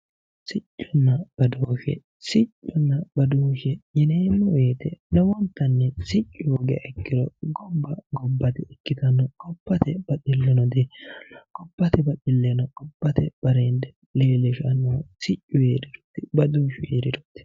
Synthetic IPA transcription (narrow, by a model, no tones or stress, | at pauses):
sɪt͡ʃʼːɔnːɐb̥ɐd̪oːʃɛ̰ | sɪt͡ʃʼːɔnːɐbɐd̪uːʃɛjɛneːnːɔweːt̪ɛnɛwɔnt̪ːɐnːɛsɪt͡ʃʼːʊwɔɡɛ̰ʔɛkːɪɾɔɡɔbːɐɡɔbːɐt̪ɛɛkːɪt̪ɐnːɔkʼɔpːɐt̪ɛb̥ɐt̪ʼɪlːɛnɔd̪ɛkʼɔpːɐt̪ɛbɐtʼɪlːɛnɔkʼɔbːɐt̪ɛb̥ɐɾend̪ɛ | leːlɛʃɐnːɐsɪt͡ʃʼːʊjeːɾɪdɔ̥t̪ːɪbɐd̪uːʃʊeːɾɪdɔt̪ːɪ̥